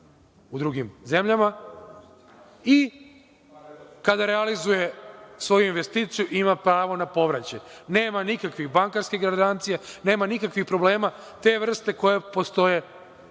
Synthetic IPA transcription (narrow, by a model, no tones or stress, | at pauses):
ud̪ɾuɡimze̞mʎama | i | kad̪aɾealizuje̞sʋo̞juinʋe̞st̪iːt̪sijuʔimapɾaːʋo̞napo̞ʋɾat͡ɕejne̞ːmanikakʋixbaŋkaɾskiɡɾad̪ant̪sijane̞ːmanikakʋixpɾo̞ble̞ːma | t̪e̞ʋr̩st̪e̞ko̞jepo̞st̪o̞je̞